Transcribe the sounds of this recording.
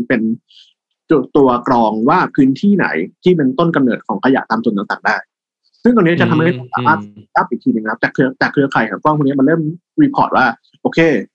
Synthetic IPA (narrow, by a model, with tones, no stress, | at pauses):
pe˧n | t͡ɕu˧˨t̪u˧ɐkɾɔː˧ŋwaː˥˩pʰɯː˨˦˥nt̪ʰiː˥˩na̰˩˦jt̪ʰiː˥˩pe˧nt̪o˥˩nka˧mnɤː˨˩t̪̚kʰɔː˩˦ŋkʰa˧ja̰˨˩ʔt̪aː˧mt̪u˧t̪a˥˧ŋt̪aː˨˩ŋdaː˥˩j | sɯ˥˩ŋ̬ɔ˧n˦˥t͡ɕa˨˩t̪ʰa˧mha˥˩˥t̪a˥˩ŋsa̰ː˨˦maː˥˩˧kaː˥˩p̚ʔi˨˩t̪ʰiː˧nɯ˧ŋkʰa˦˥p̚t͡ɕɛaː˨˩kʰːɯ˧˥ɐt͡ɕaː˨˩kʰːɯ˧ɐkʰa˨˩˦jkʰaː˨˦˩kwɔ˥˩ŋʰː˧˩ni˦˥˧m˧nlɤː˥˩˨m | wi˧˥pʰɔ̰ː˨˩t̪̚waː˥˩ | ʔoː˧kʰeː˧˩